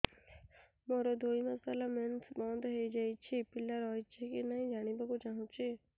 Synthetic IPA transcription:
moɾod̪ʱoːimɐsalament̪ʰbɔ̃ːnd̪ɦeid͡ʒait͡ʃʰipɪləɾɦɔit͡ʃʰikinaɦĩd͡ʒaːɽ̃ibaɡut͡ʃaːɦũt͡ʃʰi

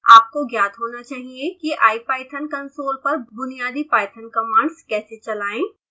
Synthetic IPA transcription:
aːp̚koɡjaːt̪ɦoːnat͡ʃaːɦiekiʔa̰ːipaːɪʈʰənkɐnsoːlpɐɾbʊnijaːd̪ipaːɪʈʰənkɐmaːɳɖskɛːset͡ʃɐlaːẽː

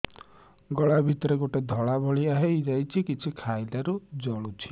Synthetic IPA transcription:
ɡɔɭabʱit̪ɔɾeɡoʈed̪ʱɔɭabʱɔɭiaɦejd͡ʒajt͡ʃʰikit͡ʃʰikʰajlaɾud͡ʒɔɭut͡ʃʰi̥

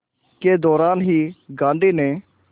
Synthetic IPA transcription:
ked̪ɔːɾaːnɦiːɡãːɳɖ̪iːnẽː

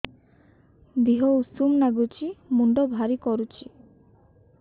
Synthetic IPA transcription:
d̪iɦousumnaɡut͡ʃimuɳɖobʱaɾikɔɾut͡ʃi

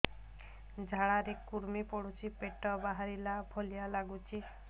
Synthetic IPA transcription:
d͡ʒʱaɭaɾekuɾmipɔɽut͡ʃʰipeʈɔbaɦaɾilabʱɔlijalaɡut͡ʃʰi

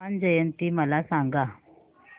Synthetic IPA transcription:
and͡ʑəjənt̪iːməlasaŋɡa

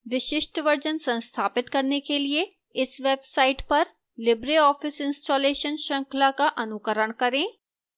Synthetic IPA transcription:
ʋɪʃɪʃʈʋɐɾd͡ʒənsɐ̃nst̪ʰaːpɪt̪kɐɾnekelie | ɪsʋeːbsaːɪʈpɐɾ | lɪbɾeɔːfɪsɪ̃nsʈoːleːʃənʃɐ̃ŋkʰlakaʔɐnʊkəɾəɽ̃kɐɾẽː

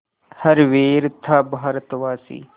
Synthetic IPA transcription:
hɐɾʋeːɾt̪ʰːaːbaːɾət̪ʋaːsḭː

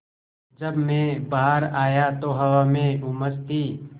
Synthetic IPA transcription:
d͡ʒəbmẽbaɦaɾaːjat̪oɦɐwamẽuməst̪iː

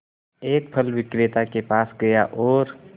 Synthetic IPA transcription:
eːk̚pʰəlʋɪkɾet̪akepaːsɡɐjaʔɔːɾ

